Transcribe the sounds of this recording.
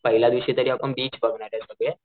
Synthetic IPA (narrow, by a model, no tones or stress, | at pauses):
pəɦilad̪ʋiɕit̪əɾiapənbiːt͡ɕbəɡʱɳaɾasəɡɭe